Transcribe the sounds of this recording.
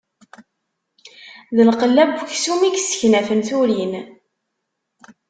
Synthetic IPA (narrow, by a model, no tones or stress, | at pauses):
ðəlqəlːæbuçsumiksə̥çnæfənθuɾin